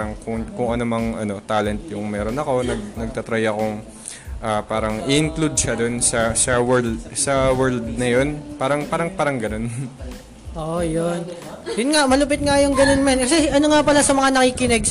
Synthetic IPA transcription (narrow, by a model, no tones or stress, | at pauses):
ɾɐŋkʊŋkʊŋɐnomɐŋʔɐ̰no̞t̪aːlɛnt̪̚jʊŋmɛːɾonɐko̞nɐɡ̚nɐɡ̚t̪ɐt̪ɾajɐko̞ŋ | ʔaːpaːɾɐŋʔɪʔɪŋklud̪̚ʃɐd̪o̞nsɐsɐwɛld̪sɐwɛɹld̪̚nɐjo̞npaːɾɐŋpaːɾɐŋpaːɾɐŋɡɐno̞n | ʔojon | jʊnŋamɐlʊp̬ɪt̪̚ŋajʊŋɡɐno̞nmankɐsɛʔɐnoŋapɐlasɐmɐŋanɐkiːkɪnɛɡ